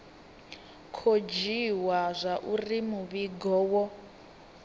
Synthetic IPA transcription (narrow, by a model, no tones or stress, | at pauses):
kʰod͡ʒiwazʷaʔurimuβiɡɔwɔ